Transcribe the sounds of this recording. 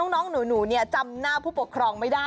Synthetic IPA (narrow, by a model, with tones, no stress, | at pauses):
ɔ˦˥ŋnɔː˦˥ŋnuː˩˦nuː˩˦ni˥˩ɐt͡ɕa˧mnaː˥˩pʰuː˥˩pu˨˩kʰɾɔː˧ŋma˥˩daː˥˩